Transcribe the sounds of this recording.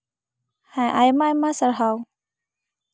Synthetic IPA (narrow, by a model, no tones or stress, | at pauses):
hãʔajmajmãsəɾɦaw